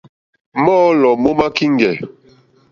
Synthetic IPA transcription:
mɔː˦lɔ˨mo˦ma˦ki˦ŋ˦ɡɛ˨

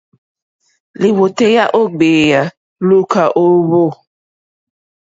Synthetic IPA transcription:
li˨wo˨te˦ja˦ʔo˦ɡ͡beː˨ja˨ | lu˦ka˨ʔo˦βo˦˨

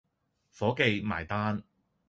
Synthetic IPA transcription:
fɔː˨˥ke˨˧jma̰ː˨˩jt̪aː˥n

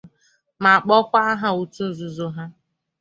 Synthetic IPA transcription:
ma˨k͡pɔ˦kʷa˦a˦ɦa˨u˨tu˦˨zu˨zo˦ɦa˦

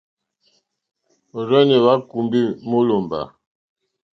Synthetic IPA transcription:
ɾɛ˦ne˨βa˦ku˨mbi˦mo˦lo˨mba̰˨

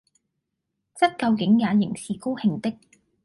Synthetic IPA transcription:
t͡sɐ˥t̚kɐ˧wkɪ˨˥ŋjaː˨˧jɪ˨˩ŋsiː˨˧ko˥whɪ˨˧ŋt̪ɪ˥k̚

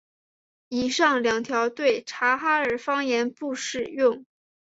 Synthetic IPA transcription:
i˨˩ʂɑ˥˩ŋljɑ˨˩ŋt̪ʰjɑ˧˥ʊt̪we˥˩ɪʈ͡ʂʰa˧˥xa˥ə˞˨˩fɑ˥ŋjɛ˧˥npu˥˧ʂɻ̩˥˧jʊ˥˩ŋ

